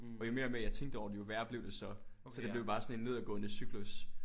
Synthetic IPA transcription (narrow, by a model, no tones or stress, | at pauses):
ɒ̽jo̝me̝ːɐmejɑ̈ɪt͡sʰeŋ̰ɡd̥əɒʊ̰dejoʋæɐ̰b̥le̝ʊd̥e̝sɒ̽ | sɒ̽d̥e̝b̥le̝ʊb̥ɑ̈ːsɒ̽ne̝nːe̝ð̞̰ˠɐɡ̥ɔ̽nesyɡ̥lus